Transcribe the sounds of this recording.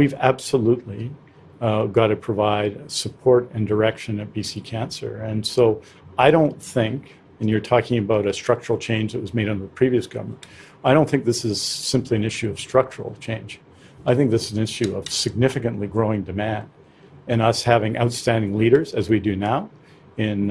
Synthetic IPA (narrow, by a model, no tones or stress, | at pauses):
wivæb̥səlutˡli | ɡɑɾɨpʰɹ̥əvaɪd̥səpʰɔɹɾɨ̃ndə˞ɛkʃɨ̃nɨt̚b̥isikʰæ̃nsə̰˞ɨ̃nsoʊ | aɪɾõʊ̃nθɪ̃ŋk | ɨ̃njə˞tʰɔkɪ̃ŋɨbaʊɾɨstɹ̥ʌk̚t͡ʃə˞l̩ˠt͡ʃʰẽɪ̃nd͡ʒðɨt̚wʌzmeɪɾn̩ðəpʰɹ̥iviɨsɡ̥ʌ̰və˞mə̃nt | aɪɾõʊ̃nθɪ̃ŋk̚ðɪsɨz̥sɪ̃mpʰliɨ̃nɪʃʉʌv̥stɹ̥ʌk̚t͡ʃə̰˞l̩ˠt͡ʃʰẽɪ̃nd͡ʒ | aɪθɪ̃ŋk̚ðɪsɨzn̩ɪʃʉʌv̥sɨɡ̚nɪfɨkɨ̃nʔliɡɹoʊɪ̃ŋdɨmæ̃nd | ɨ̃nʌshævɪ̃ŋʔa̰ʊtstæ̃ndɪ̃ŋliɾə˞zɨzwidɨnaʊ | ɪ̃n